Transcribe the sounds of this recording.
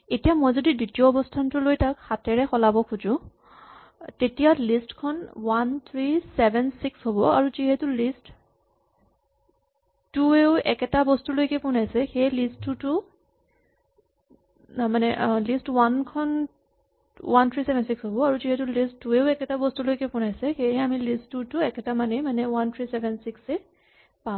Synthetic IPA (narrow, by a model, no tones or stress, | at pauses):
etijamojzodiditijɔːbɔstʰantʊlojtakxatɛɹɛxɔlabɔkʰuzʊ̃ | tetijalistkʰɔnwant̪ʰɹisɛbʱɛnsiksɦobɔaɹuziɦɛtʊlist | tueʊɛkɛtabɔstulojkɛpʊnajsɛxejlistːutu | manɛʔlistwankʰɔn | want̪ʰɹisɛbʱɛnsiksɦobɔaɹuziɦɛtulistːueʊɛkɛtabɔstulojkɛpʊnajsɛxejɦɛamilistːutuɛkɛtamanɛmanɛwant̪ʰɹisɛbʱɛnsiksɛ | pa